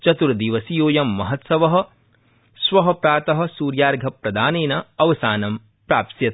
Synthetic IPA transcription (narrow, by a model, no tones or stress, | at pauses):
t͡ʃɐt̪uɾd̪iːʋɐsijoːjɐmːɐɦɐt̪sɐʋɐɦɐ̆ | sʋɐɦɐpɾaːt̪ɐɦɐ̆suːɾjaːɾɡʱɐpɾɐd̪aːneːnɐɐʋɐsaːnɐm | pɾaːpt̪jɐt̪